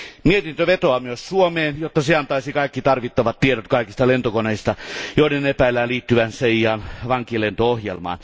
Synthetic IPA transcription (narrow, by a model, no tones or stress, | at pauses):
miet̪int̪øʋet̪oɑmyøssuomeːnjot̪ːɑseɑnt̪ɑisikɑikːit̪ɑrʋit̪ːɑʋɑt̪ieɾot̪kɑikist̪ɑlent̪okoneist̪ɑjoˑiɾenepæilːæːnliːt̪ːyʋænseijɑːnʋɑŋkilent̪oohjḛlmɑ̰ːn